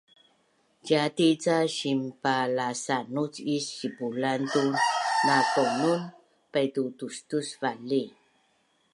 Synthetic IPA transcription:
ɟatit͡saɕimpalasanut͡sisibulantunakonun | pajtutustusvali

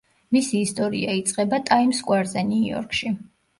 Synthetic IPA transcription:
misiːst̪ʼɔɾḭait̪sʼqʼɛbat̪ʼaimskʼwaɾzɛniɔ̰ɾkʰʼʃi

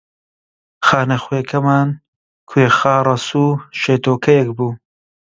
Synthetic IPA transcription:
xaːnɐxwekʰɐmaːn | kʰuexɑːɾˤɐsuːʃeːt̪oːkʰɐjɛkbuː

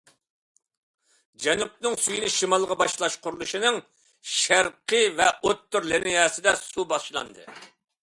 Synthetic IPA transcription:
d͡ʒɛnup̚nɨŋsyjinɪʃimɑlˠʁɑbɑʃlˠɑʃqʰʊɾulˠuʃinɨŋ | ʃæɾqəvɛʔot̪ːyɾlɪnɪjɛːsɪd̪ɛsubɑʃlˠɑ̰nd̪ɨ̰

